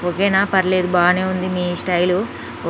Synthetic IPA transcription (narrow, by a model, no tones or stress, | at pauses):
okeːnaːpɐɾleːd̪ubaːne̞ːund̪imiːsʈɐjlu